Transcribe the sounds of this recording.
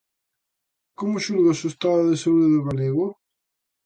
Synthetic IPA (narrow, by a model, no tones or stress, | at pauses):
komʊʃulɣasost̪aðaðesauðeðβaleɣo